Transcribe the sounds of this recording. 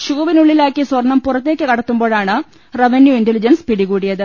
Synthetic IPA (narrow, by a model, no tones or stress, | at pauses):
ɕuːʋinuɭːilaːkːiswɐrɳːɐmpurɐt̪ːe̞ːkʲːɨkɐɽɐt̪ːumbo̞ːɭaːɳɨ | reʋɐnjuintelid͡ʑɐnspiɽikuːɽijɐðɨ